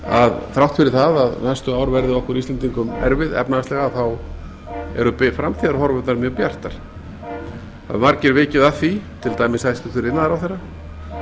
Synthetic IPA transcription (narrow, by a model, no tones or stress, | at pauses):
a̰ðθɾawht̪fɪɾɪɾ̥θaðaðnɛst̪ʏaːwɾvɛɾðɪɔhkɛɾist̪ɛnt̪̬iŋkʏmɛ̰ɾvɪðɛ̰pnaast̪lɛɣaθaw | ɛ̰ɾʏpɪfɾamt̪ʰiðaɾhɔɾvœt̪naɾmjœɣpjar̥t̪aɾ̥ | a̰ðmaɾcɪɾvɪːcɪðaθit̪ʰɪlt̪aːjmɪsajst̪ʏθʏɾɪnːaðaɾawθɛrːa